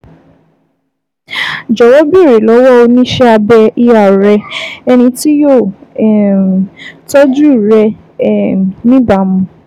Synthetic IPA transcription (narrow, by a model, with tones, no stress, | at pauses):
d͡ʒɔ˨wɔ˦bi˦˨ɾi˨lɔ˨˦wɔ˦o˧nĩ˦ʃɛ˦a˧bɛ˧i˧a˨ɾɛ˧ɛ˧nĩ˧ti˦jo˦˨ɛ˨ | tɔ˦d͡ʒu˦i˨ɾɛ˧˨ | nĩ˦ba˨mũ˨˧˦